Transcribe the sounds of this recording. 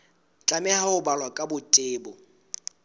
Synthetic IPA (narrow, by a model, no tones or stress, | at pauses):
t͡ɬʼamɛhaʊbalwakʼabʊtʼɪːbɔ